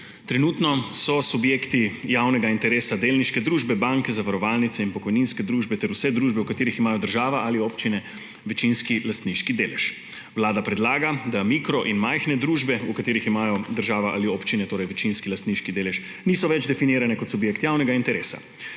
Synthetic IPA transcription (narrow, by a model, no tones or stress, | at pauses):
t̪ɾɛnut̪nɔsɔsubjeːkt̪ijawnɛɡaint̪ɛɾeːsad̪eːlniʃkɛd̪ɾuːʒbɛbaŋkɛzaʋaɾɔʋalnit̪sɛinpɔkɔjninskɛd̪ɾuːʒbɛt̪ɛɾusɛd̪ɾuːʒbɛukat̪eːɾiximaːjɔd̪əɾʒaːʋaʔalioːpt͡ʃinɛ | ʋɛt͡ʃinskilast̪niʃkid̪eːlɛʃ | wlaːd̪apɾɛd̪laːɡad̪amiːkɾɔʔinmajxnɛd̪ɾuːʒbɛukat̪eːɾiximaːjɔd̪əɾʒaːʋaʔa̰lioːpt͡ʃinɛt̪oːɾɐjʋɛt͡ʃinskilast̪niʃkid̪eːlɛʃ | niːsɔʋɛd͡ʒd̪ɛfiniːɾanɛkɔt̪subjeːkt̪jawnɛɡaint̪ɛɾeːsa̰